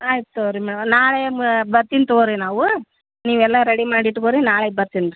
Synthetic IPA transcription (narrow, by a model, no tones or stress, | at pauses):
aːjt̪oːɾimeːɭɐnaːɭɐjɐmbɐɾt̪ːint̪oːɾinaːʋɯ | niːʋɛlːaːɾɛɽimaːɽiʈːɯkoːɾinaːɭɐjbɐɾt̪ːind̪ɯ